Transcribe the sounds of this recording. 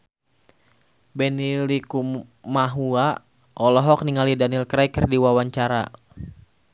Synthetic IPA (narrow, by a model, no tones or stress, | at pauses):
bɛnilikumaɦua | ʔɔlɔɦɔk̚niŋalidanilkɾaikərdiwawaɲt͡ʃaɾa̰